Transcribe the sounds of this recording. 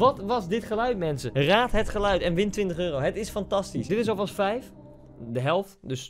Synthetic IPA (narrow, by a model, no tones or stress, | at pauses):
ʋɔtʋɑsdɪtχəlœɥtmɛnsəraːtɦətχəlœɥtɛnʋɪntʋɪntəχøːrowɦətɪsfantɑstisdɪtɪsofɑlˠsfɛjf | dəɦɛlˠftdøs